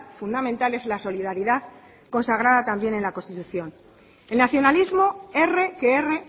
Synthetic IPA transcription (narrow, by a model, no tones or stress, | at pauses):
fund̪amẽ̞nt̪ale̞zlaso̞lið̞aɾiðað | ko̞nsaɣ̞ɾaðat̪ambje̞ne̞nlako̞nst̪it̪uθjo̞n | e̞lnaθjo̞nalizmo̞e̞re̞keere